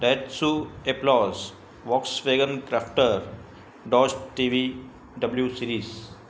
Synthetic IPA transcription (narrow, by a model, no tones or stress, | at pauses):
ɖɛʈsueplɔz | ʋɔːksʋeɡə̃nkɾafʈəɾ | ɖɔːd͡ʒʈiʋi | ɖəbljusiːɾiːz